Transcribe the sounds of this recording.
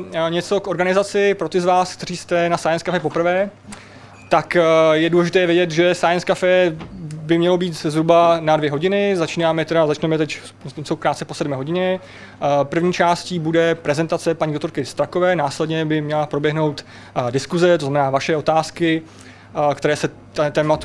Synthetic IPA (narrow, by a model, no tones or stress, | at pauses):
ɲɛt͡so̞kʔo̞ɾɡanɪzat͡sɪpɾo̞t̪ɪzvaːskt̪ɛriːst̪ɛnasajɛnskafɛp̬o̞pr̩vɛː | t̪akjɛduːlɛʒɪt̪ɛːjvjɛɟɛt̪ʒɛsajɛnskafɛːbɪmɲɛlo̞biːt̪zɦɾubanadvjɛɦo̞ɟɪnɪzat͡ʃiːnaːmɛt̪ɛɾazat͡ʃnɛmɛt̪ɛc | osowkɾaːt̪t͡sɛpo̞sɛdmɛːɦoɟɪɲɛ | pr̩vɲiːt͡ʃaːsciːbudɛpɾɛzɛnt̪at͡sɛpaɲidokt̪oɾkɪst̪ɾako̞vɛːnaːslɛdɲɛbɪmɲɛlapɾo̞bjɛɦno̞wt̪ | dɪskuzɛt̪o̞znamɛnaːvaʃɛo̞t̪aːskɪ | kt̪ɛɾɛːsɛ | t̪ɛt̪ɛːmat̪